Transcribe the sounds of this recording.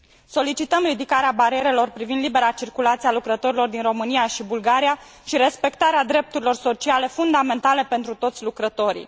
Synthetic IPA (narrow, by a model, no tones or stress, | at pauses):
so̞lit͡ʃit̪əmrid̪ikaɾeabaɾie̞ɾe̞lo̞rpɾivind̪libe̞ɾat͡ʃirkulat̪sialukɾət̪o̞ɾilo̞rd̪inro̞mɨnijaʃibulɡaɾija | ʃiɾe̞spe̞kt̪aɾead̪ɾe̞p̚t̪uɾilo̞rso̞t͡ʃiale̞fund̪ame̞nt̪ale̞pe̞nt̪ɾut̪o̞t̪sʲlukɾət̪o̞ɾḭ